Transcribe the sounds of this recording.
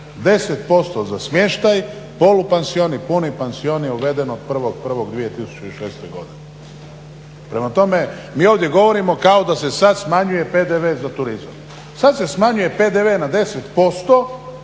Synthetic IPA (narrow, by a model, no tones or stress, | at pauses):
d̪e̞set̪po̞st̪ozasmje̞ʃt̪aj | po̞lupenzio̞nipunipenzio̞njeuʋe̞d̪e̞nod̪̚pr̩ʋo̞ɡ̚pr̩ʋo̞ɡd̪ʋije̞t̪isu̥t͡ɕoiʃeːst̪ojɡo̞̰d̪ine | pɾe̞mat̪o̞me̞ | miːo̞ːʋd̪je̞ɡo̞ʋo̞ɾimo̞kao̞d̪ase̞sad̪smaɲuje̞ped̪eʋeːzat̪uɾiza̰m | sad̪se̞smaɲuje̞pe̞d̪eʋenad̪e̞set̪po̞st̪o̞